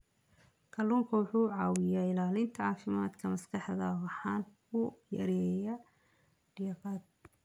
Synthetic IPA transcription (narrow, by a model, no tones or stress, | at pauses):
kʰɐluːŋkʰɐwʊħuːʕɑːwɪjaːɪlaːlɪnt̪ʰɐʕɑːfɪma̰ːd̪kʰɐmɐskʰɑħðɐ̰wɑħɑːn | ʊjɐ̰ɾɛjɐ | ɖɪjɐqɑːd̪̚